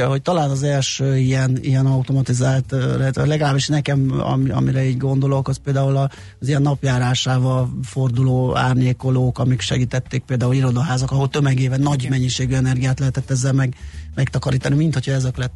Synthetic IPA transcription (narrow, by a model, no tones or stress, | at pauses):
ɦo̞ct̪ɒlaːnɒzɛlʃøːiɛnḭjɛnɒut̪o̞mɒt̪izaːlt̪rɛt̪lɛɡɒlaːbiʃnɛkɛmɒ̰miɒ̰miɾɛiːɟɡo̞nd̪o̞lo̞kɒspeːld̪aːulɒ | zijɛnːɒpjaːɾaːʃaːvɒlfo̞rd̪uloːa̰ːrɲeːko̞loːkɒmikʃɛ̰ɡiːt̪ɛt̪ːeːk̚peːld̪aːuliɾo̞d̪ɒɦaːzɒkɒɦo̞lt̪ø̞mɛɡeːvɛnːɒɟmɛɲːiʃeːɡyɛnɛrɡijaːt̪lɛɦɛt̪ɛt̪ːɛzːɛlmɛɡmɛkt̪ɒkɒɾiːt̪ɒnimint̪ho̞cʰɒɛzɛklɛt̪ː